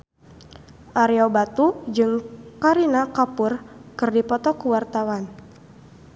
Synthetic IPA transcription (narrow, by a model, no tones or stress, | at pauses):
ʔaɾiɔbat̪ud͡ʒɨŋkaɾinakapʊrkɨrdipɔt̪ɔkuwart̪awan